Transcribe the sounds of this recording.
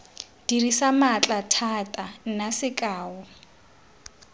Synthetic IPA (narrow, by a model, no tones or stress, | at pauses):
d̥irisamat͡ɬʼatʰatʼanasɪkʼaːwɔ